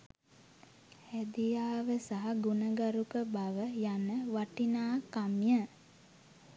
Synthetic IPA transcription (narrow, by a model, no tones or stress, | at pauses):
hæd̪ijaːʋəsaɦaɡunəɡaɾukəbaʋəjanəʋaʈinaːkamjə